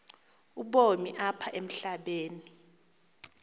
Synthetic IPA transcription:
uɓomiʔapʰaʔem̩ɬaɓeːni

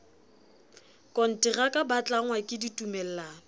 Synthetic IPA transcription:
kʼɔn̩tʼɪrakʼabat͡ɬʼaŋwakʼɪditʼumɛl̩laːŋ̩

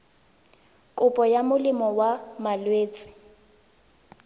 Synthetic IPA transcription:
kʼʊpʼɔjamʊlɪmɔwamalweːt͡sʼɪ̥

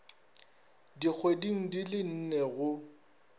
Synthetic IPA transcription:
dik͡xʰwediŋ̩dilɪn̩nɛɣʊ

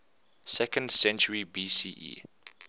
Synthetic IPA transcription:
sɛkə̃ndsɛ̃nt͡ʃəɹibiːsiːʔḭː

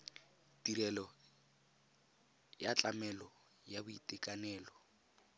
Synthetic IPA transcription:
tiɾɛlɔ | jat͡ɬʼamɛlɔ | jabʊitʼɛkʼanɛːlɔ

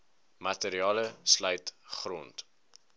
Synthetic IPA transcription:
mɐteɾiɑːləslœjtχrɔnt

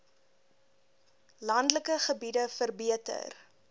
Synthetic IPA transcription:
lɐndləkəχəbidəfərbiətə̰r

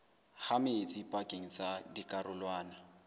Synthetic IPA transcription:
hamɪt͡sʼipʼakʼeŋ̩t͡sʼadikʼarʊlwaːna

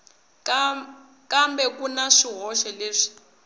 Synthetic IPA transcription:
kambɛkunaʂiɦɔʃɛleːʂi̥

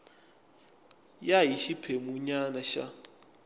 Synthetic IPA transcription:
jaiʃipʰemuɲanaʃa̰

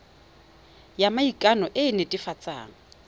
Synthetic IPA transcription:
jamaikʼanɔʔɪnetʼifat͡sʼa̰ːŋ̩

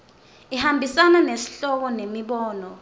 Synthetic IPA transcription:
ihambʱisananesi̥ɬɔk̬ɔnemiɓɔːnɔ

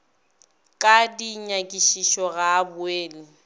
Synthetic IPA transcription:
kʼadiɲakʼiʃiʃɔɣaːbʊeːli

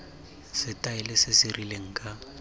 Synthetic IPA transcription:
sɪtʼaɪlɪsɪsɪrileŋ̩kʼa

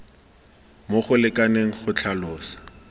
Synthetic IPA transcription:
moχʊlɪkʼaneŋ̩χʊt͡ɬʰalʊːsḁ

